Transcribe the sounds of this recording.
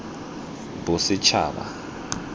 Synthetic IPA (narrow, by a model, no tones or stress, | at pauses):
busit͡ʃʰa̰ːɓa̰